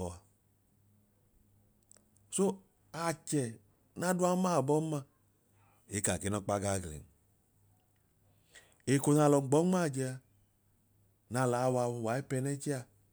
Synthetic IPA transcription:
ɔ˨a˧ | so˦ | a˨t͡ʃɛ˨ | na˦du˦a˦ma˦˨bɔ˦ma˧ | e˨˦ka˨ke˨˦nɔ˦k͡pa˦ɡa˦˨ɡlḛ˨n˦ | e˨ko˨˧na˧lɔ˧˨ɡ͡bɔ˨˦ŋ͡ma˦˨d͡ʒɛ˧a˧ | na˧˨la˨˦˧wa˧wa˨˦e˦pɛ˧nɛ˦t͡ʃi˦a˧

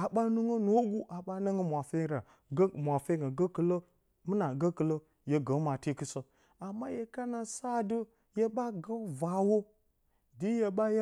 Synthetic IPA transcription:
a˨ɓa˦nu˦ŋə˦no˦ɡu˦ʔa˨ɓa˦nə˦ŋə˦mʷ˨a˨fe˦ɾa˨˦ | mʷ˨a˨fe˦ɡa˨ɡə˦kə˨lə˦ | mɨ˦na˨ɡə˦kɨ˨lə˦ | je˨ɡə˨˦ma˨te˦kɨ˦sə˦ | a˨mːa˦je˨ka˦na˨sa˦dɨ˦ | je˦ɓa˦ɡə˦va˨wo˦ | di˦je˦ɓa˦ja˦

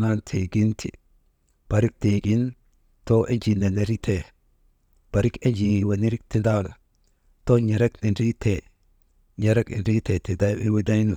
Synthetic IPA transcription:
na˦ntʰe˨ɡi˦ntʰḭ˨ | b̥a˨ɾi˦k̚te˨ɡi˦n | to˦ʔe˦d͡ʒi˨ne˨ne˨˦ɾi˦te˨ | b̥a˨ɾi˦ke˦d͡ʒi˨wa˨ni˦ɾi˦k̚ti˦da˦la̰˨ | to˦ɲe˨ɾe˦kni˨nɾi˦te˨ | ɲe˦ɾe˦kḭ˨nɾi˦te˨ti˨da˦jbi˦wi˦da˦jnu˨

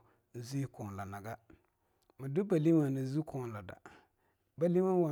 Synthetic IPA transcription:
zi˦kɔ˨nla˨na˨ɡa˦ | mɪ˨dʊ˦ba˨li˦wa˨nɪ˨˦zu˦kʰɔ˨la˨da̰˨ | ba˨li˦ma˦wa˨

